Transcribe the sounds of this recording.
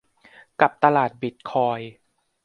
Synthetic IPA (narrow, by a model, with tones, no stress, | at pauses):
ka˨˩p̚t̪a˧laː˨˩t̪̚bi˨˩t̪̚kʰɔː˧j